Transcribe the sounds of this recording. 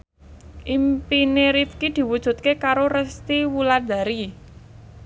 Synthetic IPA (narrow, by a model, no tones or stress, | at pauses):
ʔimpineɾifkid̪̥i̤wud̥ʒ̥ṳt̪̚kekaɾorəst̪iwulad̪a̤ɾi